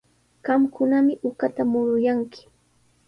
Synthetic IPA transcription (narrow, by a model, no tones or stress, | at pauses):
ɢɑmkʊnamɪʔʊkat̪amʊɾʊjaŋkɪ̥